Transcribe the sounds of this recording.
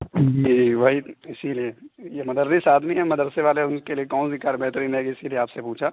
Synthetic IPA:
miibʱaiɪsiliejemɐd̪əɾd̪isaːd̪miɦɛmɐd̪əɾseʋaːleʊnkeliekɔːnsikaːɾbʱeɦt̪ɾiːnɦɛːɡɪsilieaːpsepuːt͡ʃʰa

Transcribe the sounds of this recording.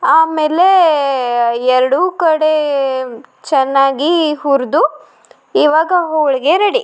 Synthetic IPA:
aːmeːle | ɛɾɐɽukɐɽe | t͡ʃɛnːaːɡiɦuɾd̪u | iʋaːɡɐɦowɭiɡeɾɐɽi

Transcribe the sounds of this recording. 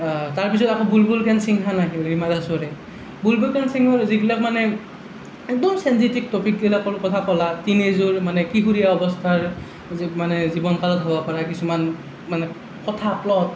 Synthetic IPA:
taɹpis̬ɔtakʰɔ̃bulbulkʰansiŋkʰanaɦiɹimadasɔɹɛ | bulbulkansiŋɔɹziɡilak̚manɛ | ɛk̚dɔmsɛnsitik̚tɔpik̚ɡilakɔɹkɔtʰapɔlatinezuɹmanɛkiɦuɹijaɔbɔstʰaɹ | manɛzibɔnkalɔtɦɔbɔpaɹakisuman | manɛ | kɔtʰaplɔt̚

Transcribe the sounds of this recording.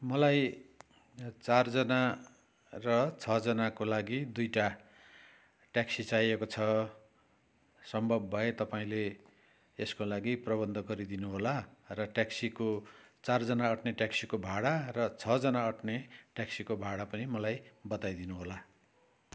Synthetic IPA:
mʌlaj | t͡sard͡zʌna | rʌt͡sʰʌd͡zʌnakolaɡid̪ujʈa | ʈjaksit͡sajekot͡sʰʌ | sʌmbʱʌbːʱʌet̪ʌpaĩle | eskolaɡiprʌβʌnd̪ʱʌɡʌɾid̪inuɦolarʌʈaksikot͡sard͡zʌnaʌʈneʈjaksikobʱaɽarʌt͡sʰʌd͡zʌnaʌʈneʈjaksikobʱaɽapʌnimʌlajbʌt̪ajd̪inuɦola

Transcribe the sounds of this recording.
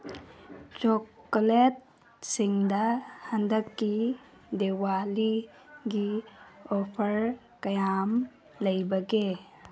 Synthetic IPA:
t͡ʃokːolet̚ | siŋdɐhɐndəkːi | dewali | ɡiopʰɐɾ | kɐjam | lɐjbɐɡe

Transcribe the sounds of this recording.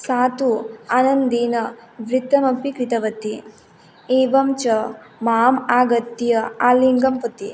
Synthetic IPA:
saːt̪uɐnɐnd̪iːnɐʋɾit̪ːɐmɐpikɾit̪ɐʋɐt̪i | eːʋɐmt͡ʃɐ | maːmaːɡɐt̪ːijɐaːliŋɡɐmpɐt̪i

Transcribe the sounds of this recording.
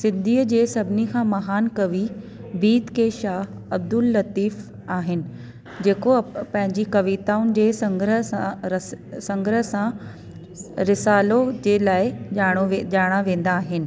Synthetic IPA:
sɪ̃nd̪ʱiːəd͡ʑeːsɐbʱɪnikʰãːmɐɦaːnkɐʋi | biːt̪keːʃaːɦ | ɐb̚d̪ʊlːɐt̪iːf | aːɦɪnɪ̆ | d͡ʑeːkopɐ̃ɦɪ̃ɲd͡ʑikɐʋiːt̪aːʊnɪ̆d͡ʑeːsɐŋɡɾã | sɐ̃ŋɡɾəsã | ɾɪsaːlod͡ʑeːlaːɪaːɽ̃oeʄaːɽ̃aʋẽːn̆d̪aːɦɪnɪ̆

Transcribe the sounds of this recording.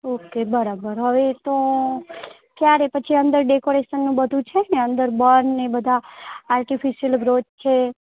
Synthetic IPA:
okebəɾabəɾɦəʋet̪o | kjaɾepət͡ʃʰiə̃nd̪əɾɖekoɾeʃənːũbəd̪ʱũt͡ʃʰeneə̃nd̪əɾbənːebəd̪ʱaaɾʈifiʃijəlɡɾod͡ʒt͡ʃʰe

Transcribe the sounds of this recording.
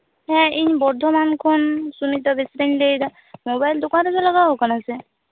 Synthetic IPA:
ɦɛ̃iɲbɔɾd̪ʱɔmankʰɔnsunit̪ɔbesɾeɲlejd̪a | mobajld̪ʊkãɾezalɔɡaɦokɔnase

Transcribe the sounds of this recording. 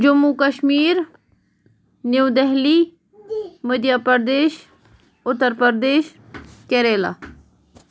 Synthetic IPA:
d͡ʒəmukəʃmiːɾ | newd̪ɛɦli | məd̪jaːpəɾd̪eːʃ | ʊt̪ːəɾpəɾd̪eːʃ | keɾeːla̰ː

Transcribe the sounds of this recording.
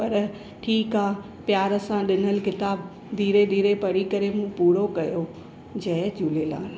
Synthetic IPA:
pɐɾ | ʈʰiːkaː | pjaːɾəsãɗɪnəlkɪt̪aːb̚ | d̪ʱiːɾed̪ʱiːɾepɐɽikɐɾemũːpuːɾokɐjo | d͡ʑɐɦd͡ʑuːlela̰ːɪl

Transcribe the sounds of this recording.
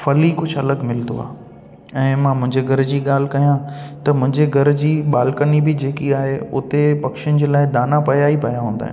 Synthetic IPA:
fɐlikʊd͡ʑʱɐləɡmɪlt̪o̰a̰ː | ɛ̃ːmãːmʊ̃ɦɪ̃ɲd͡ʑeɡʱɐɾd͡ʑiːɠaːl̤ɪkɐjãt̪ɐmʊ̃ɦɪ̃ɲd͡ʑeɡʱɐɾd͡ʑiːɓaːlɪkənibɪd͡ʑeːkiaːɦeʊt̪epɐkʃɪnɪd͡ʑeːlaːɪd̪aːnapɐjaːipɐjaɦũːn̆d̪a̰ːɦɪ̰̃

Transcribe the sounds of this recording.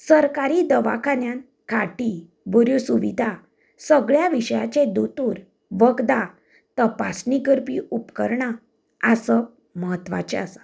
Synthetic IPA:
səɾkaɾid̪əʋa̰kʰanjan | kʰaʈi | bəɾjusuʋid̪ʱa | səɡɭjaʋiɕəjat͡ɕẽd̪ot̪uɾ | ʋəɡd̪a | t̪əpasnikəɾpiupkə̰ɾɳa | asə | məɦət̪ːʋa̰t͡ɕḛasḁ

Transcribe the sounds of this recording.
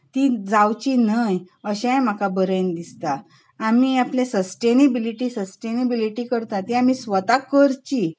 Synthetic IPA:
t̪id͡zawt͡ɕinəj | əɕãjm̤akabəɾənd̪ist̪aː | miaplesəsʈenibiliʈiːsəsʈenəbiliʈiːkəɾt̪at̪iam̤isʋət̪akəɾt͡ɕi

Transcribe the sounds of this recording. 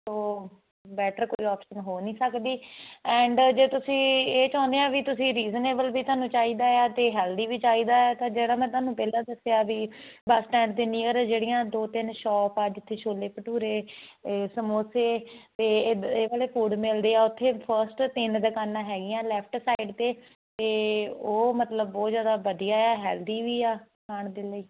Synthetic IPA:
soː | bɛːʈəɾko̰ːiːɔːpʃənɦoːnĩːsəkd̪iːɛ̃ːɳɖd͡ʒeːt̪ʊsĩːeːt͡ʃãːnd̪eːãːʋiːt̪ʊsĩːɾiːzəneːbəlʋiːt̪ʊaːnũːt͡ʃaːiːd̪aːeaːt̪eːɦɛːld̪iːʋiːt͡ʃaːiːd̪aːɛːt̪ãːd͡ʒeːɽaːmɛ̃ːt̪ʊaːnũːpɛːlãːd̪əsejaːʋiː | bəsʈɛ̃ːɳɖt̪ɪniːəɾd͡ʒeːɽijãːd̪oːt̪ɪnʃɔːpaːd͡ʒɪt̪ʰːeːʃʰoːleːpəʈuːɾeː | səmoːseːt̪eːeːʋaːleːpuːɽmɪld̪eːaːʊt̪ʰːeːpʰəɾsʈt̪ɪnd̪əkaːnãːɦɛːɡɪjãːlɛːpʰʈsaːɪɖt̪eː | t̪eːoːmət̪ləbːɔːt̪zjaːd̪aːʋəd̪ijaːaːɦɛːld̪iːʋiːaːkʰaːɳd̪eːləiː

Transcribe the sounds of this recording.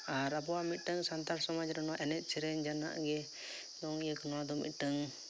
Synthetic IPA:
aɾabɔwamit̪̚ˀʈəŋsant̪aɾsɔmad͡ʒɾɛnɔwaʔɛnɛt̪̚t͡ʃɛɾɛɲd͡ʒana̰ʔɡɛ | d̪ɔŋjəknɔwad̪ɔmḭt̪̚ˀʈəŋ

